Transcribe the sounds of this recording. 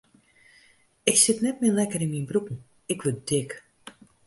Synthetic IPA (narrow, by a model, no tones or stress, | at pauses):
ɪksɪtnɛt̚mɪlɛkəɾɪnminbrukn̩ | ɪkʋɪldɪk